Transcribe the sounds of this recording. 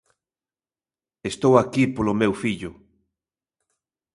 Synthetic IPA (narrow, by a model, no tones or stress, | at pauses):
est̪owakipolomewfiʎʊ